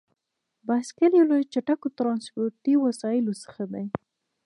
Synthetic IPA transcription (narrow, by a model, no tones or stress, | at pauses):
baskəljolojt͡ʃaʈakot̪ɾɑnspoɾʈiwasɑjɪlosə̥xad̪aj